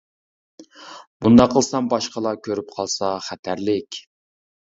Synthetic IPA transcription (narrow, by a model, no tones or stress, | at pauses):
b̥und̪ɑqʰːəlˠsɑmbɑʃqəlˠɑkʲʰøɾypqʰɑlˠsɑχæt̪ʰæɾlɪkʲ